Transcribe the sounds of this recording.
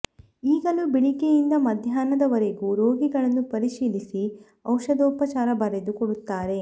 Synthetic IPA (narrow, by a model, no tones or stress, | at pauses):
iːɡɐlubiɭikejind̪ɐmɐd̪ʱjaːnɐd̪ɐʋɐɾe̞ɡuɾoːɡiɡɐɭɐnːupɐɾiʃiːlisi | ɐwʃɐd̪ɐupɐt͡ʃaːɾɐbɐɾed̪ukoɽut̪ːaːɾe̞